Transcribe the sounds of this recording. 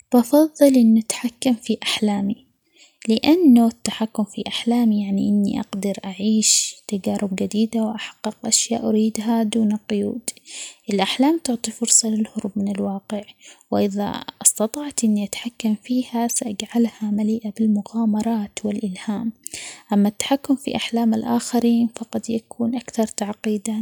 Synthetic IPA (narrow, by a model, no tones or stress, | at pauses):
bɑfɑðˤːɨlʔɪnːʔat̪ħakːamfiʔaħlaːmi | lɪʔanːuɪt̪ːaħakːʊmfiʔaħlaːmijaʕniʔɪnːḭʔa̰ɡd̪ɑɾʔaʕiːʃt̪ad͡ʒaːɾɪbɡad̪iːd̪awʔaħḁqːɪqʔaʃja̰ːʔaɾiːd̪ɦad̪uːnalqʊjṵːd̪ʔɪlʔaħlaːmt̪ʊʕt̪ˤifʊɾsˤɑlɪlhʊɾˤʊb̚mɪnɪlwɑːqɪʕwɪʔɪða̰ʔɑst̪ɑt̪ˤɑːʕt̪ʔɪnːiʔat̪ħakːamfiːhasaʔad͡ʒʕalhamaliːʔabɪlmʊɣaːmɑɾˤɑːt̪wɪlʔɪlhaːmʔamːat̪ːḁħakːʊmfḭʔaħlaːmɪlʔaːxaɾiːnfɑqɑd̪jakʰuːnʔakθɑɾˤt̪aʕqiːd̪a